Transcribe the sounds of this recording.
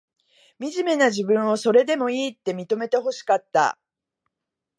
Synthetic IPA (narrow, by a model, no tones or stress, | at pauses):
mʲiʑime̞naʑibɯ̟̃ɰ̃o̞so̞ɾe̞d̪e̞mo̞iːt̪ːe̞mʲit̪o̞me̞t̪e̞ɦo̞ɕi̥kat̪ːa̰